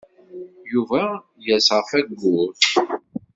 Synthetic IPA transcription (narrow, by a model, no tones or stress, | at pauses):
juvæ | jæsʁəfæɡːʊθ